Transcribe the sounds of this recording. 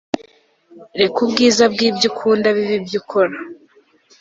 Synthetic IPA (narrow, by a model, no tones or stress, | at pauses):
ɾekubɡiːzabɡiːbjukʰuːndaβiβibjukʰo̞ɾa